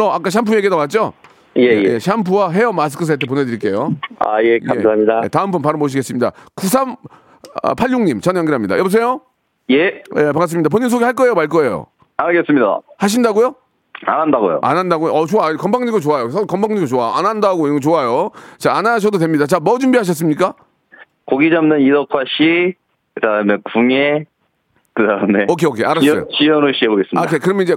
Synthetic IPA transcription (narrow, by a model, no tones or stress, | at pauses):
ʌak͈aɕ̬ʰampʰujeɡedawat̚t͡ɕ͈o | jejejeɕʰampʰuaɦe̞ʌmas̬ɯ̥kʰɯs̬ʰet̬ʰep̬one̞dɯɾiɭk͈e̞joa̰jekamsaamɲidajḛtaɯmpʰunpaɾɯmoɕ̬ʰiɡe̞s͈ɯmɲida̰kus̬ʰam | ʌ̰pʰaʎjuŋɲimt͡ɕʌnjʌŋɡiɾɦamɲida̰jʌbos̬ʰe̞jo | jejepaŋkas̬͈ɯmɲidapoɲːims̬ʰoɡiɦaɭk͈ʌe̞jomaɭk͈ʌe̞jo̰ | aɭɡes͈ɯmɲida̰haɕ̬ʰindaɡojo | anɦandaɡo̰jo̰ʔa̰nɦandaɡojoʌt͡ɕoakʌmbaŋɲiɡdot͡ɕoajosʰʌkʌmbaŋɲiɡdot͡ɕoaanandaɡot͡ɕoajot͡ɕaːnaɕ̬ʰʌdod̬we̞mɲidat͡ɕamʌd͡ʑumbiɦaɕ̬ʰʌs̬͈ɯmɲik͈a | koɡid͡ʑamnɯniɾʌkʰwaɕʰi | kɯdamekuŋe | kɯdaɯme̞ʌkʰeokʰeaɾassʌ̰jot͡ɕijʌnoɕ͈ʰiɦeboɡes͈ɯmkʰekɯɾʌmenid͡ʑe